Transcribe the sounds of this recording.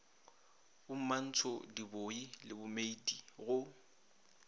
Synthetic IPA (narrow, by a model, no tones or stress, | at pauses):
ʊm̩man̩t͡sʰɔdiboilɪbʊmeidiɣʊ